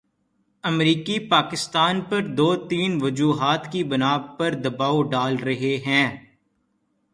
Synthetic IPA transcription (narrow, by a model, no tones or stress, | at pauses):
ɐmɾiːkipaːkɪst̪aːnpɐɾd̪oːt̪iːnʋɐd͡ʒuːɦaːt̪kibɐnaːpɐɾd̪ɐbaːoɖaːlɾɐɦeɦɛ̃ː